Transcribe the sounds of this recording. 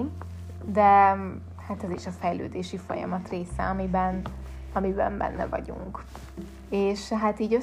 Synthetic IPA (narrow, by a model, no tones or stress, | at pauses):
d̪ɛ | hat̪ɛziʃɒfɛjlø̰ːd̪eːʃifo̞̰jɒ̰mɒt̪reːsɛ̰ɒmibɛn | ɒmibɛ̰mbɛ̰nːɛ̰vɒ̰ɟṵŋk | eːʃɦat̪iːɟø